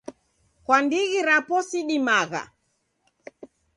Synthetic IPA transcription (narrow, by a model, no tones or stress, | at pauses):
kwandiɣiɾapɔsiɗimaɣa̰